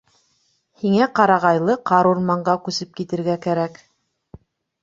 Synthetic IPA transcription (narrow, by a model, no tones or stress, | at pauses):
hiŋæqɑɾɑʁɑjlˠɤqɑɾuɾmɑɴɢɑkʉsɘp̚kit̪ɘ̆ɾɡækæɾæk